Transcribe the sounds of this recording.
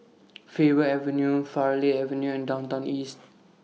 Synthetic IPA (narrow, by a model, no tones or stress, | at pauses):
fevəɛvə̃njufaleɛvə̃njuɛ̃ndãw̃ntãʊ̃nist̚